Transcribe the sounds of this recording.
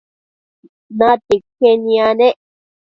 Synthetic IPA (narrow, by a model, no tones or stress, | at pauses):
nãt̪ikenĩãnẽʔ